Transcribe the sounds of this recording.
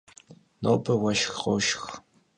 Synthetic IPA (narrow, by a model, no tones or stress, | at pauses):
noːbʰɐwɐʃxqo̰ʃx